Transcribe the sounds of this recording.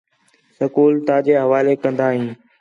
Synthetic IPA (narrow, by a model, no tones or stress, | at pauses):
səkuːlt̪aːd͡ʑeːɦɐʋaːlekə̃nd̪aːɦĩː